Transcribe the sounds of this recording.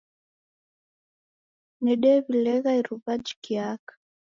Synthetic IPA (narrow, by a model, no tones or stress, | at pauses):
nɛɗɛβilɛɣaiɾuβad͡ʒi̥kiakḁ